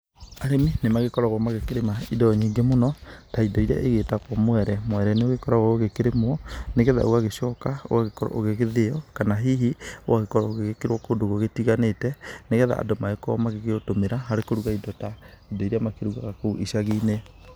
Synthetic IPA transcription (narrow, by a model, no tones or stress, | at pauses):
aɾeminemaɣekɔɾaɣwɔmaɣekeɾemaidɔɔɲiːŋɡemonɔtaidɔiɾea̰ʔeɣetakwɔmwɛɾɛmwɛɾɛneoɣekɔɾaɣɔoɣekeɾemwɔneɣɛða̰o̰ɣaɣeɕɔkao̰ɣaɣekɔɾɔ̰ʔoɣeɣeðeɔkanaɦiɦiowaɣekɔɾɔoɣeɣekeɾwɔkoːndoɣɔɣetiɣanetɛneɣɛða̰ʔa̰domaekɔmaɣeɣeotomeɾaɦaɾekoɾuɣaidɔta | idɔiɾeamakeɾuɣaɣakouʔiʃaɣiːne